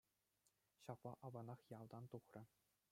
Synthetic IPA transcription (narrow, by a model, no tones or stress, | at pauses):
ɕɑplɑ̰ʔɑʋɑnɑχjɑlˠd̪ɑnt̪uχrʲɤ̆